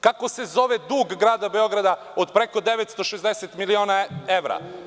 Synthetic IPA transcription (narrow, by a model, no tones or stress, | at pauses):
kako̞se̞zo̞ʋed̪uːɡːɾaːd̪abeo̞ɡɾad̪a | od̪pɾeko̞d̪eʋet̪st̪o̞ʃezd̪eset̪milioːnaeʋɾa̰